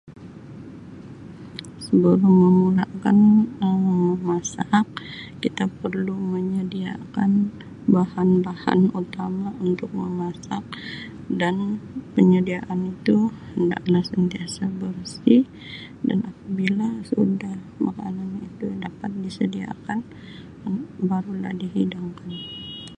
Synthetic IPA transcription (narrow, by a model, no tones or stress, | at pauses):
səbəɾuməmulakanəməmasak̚kit̪apərluməɲədia̰kan | bahanbaha̰nut̪amaunt̪ʊk̚məmasak̚ | danpəɲədiaʔanit̪uhənda̰ʔlahsənt̪iasabərsi | da̰napabilasudah | makananit̪udapat̪̚disədia̰kan | baɾula̰hdiɦidaŋkan